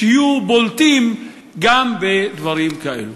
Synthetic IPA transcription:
ijubolt̪im | ɡambed̪vaɾimkaʔḛlu

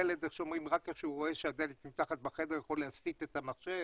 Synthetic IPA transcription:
eled̪eχʃomʁimʁakeχʃeuʁo̞e̞ʃead̪elet̪mimt̪aχat̪̚baχed̪ejeχoleasit̪et̪amaχʃe

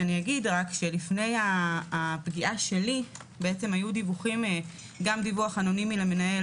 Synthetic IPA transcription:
aniaɡidʁakʃe̞lifne̞jaː | pɡiʔaʃe̞li | beet͡se̞majudivuχim | ɡamdivuaχanonimilame̞nae

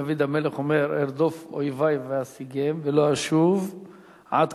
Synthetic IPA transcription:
avid̪ameleχomeɾeɾd̪ofo̰jvajveasiɡemveloaʃuv | ʕad̪

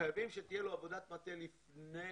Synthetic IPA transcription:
ajavimʃet̪ijeloavo̞d̪at̪mat̪elifne

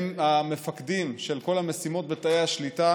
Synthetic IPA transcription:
mamefakdimʃelko̞lamesimo̞t̪̚bet̪aehaʃlita

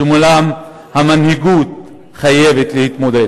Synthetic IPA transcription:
mulam | hamanhiɡut̪̚ | χajevet̪lehit̪mod̪e

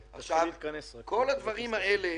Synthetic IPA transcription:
ʔa̰χʃavnkʰo̞lad̪vaʁimaʔe̞le

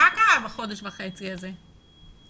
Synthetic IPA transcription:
akaavaχo̞deʃvaχe̞t͡siaze

